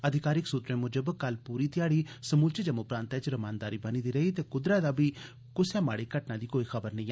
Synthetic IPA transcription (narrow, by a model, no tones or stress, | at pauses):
əd̪ʱɪkaːɾɪksuːt̪ɾẽːmʊd͡ʒəbkəlpuːɾiːt̪ɪjaːɽiːsəmuːlt͡ʃed͡ʒəmõːpɾãːnt̪ɛt͡ʃɾəmaːnd̪aːɾiːbəniːd̪iːɾəiːt̪eːkʊd̪ɾaːd̪aːbiː | kʊsjaːma̰ːɽiːkəʈnãːd̪iːkoːiːxʰəbəɾnə̃ĩː